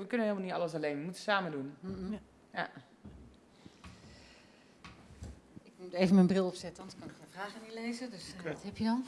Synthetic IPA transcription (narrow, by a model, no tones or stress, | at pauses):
ʋəkønəhɪːlˠməniəɑləs̬aleːnʋəmutəsaːmədun | ja | ɪkmuteːvəmɛnmbrɪlˠɔpsɛtəɔntɪkɔnkefraːxənileːzədøskthɛpjədɔn